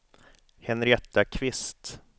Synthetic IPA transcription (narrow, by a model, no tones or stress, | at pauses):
hɛnɾɪɛt̪ːakʰvɪst̪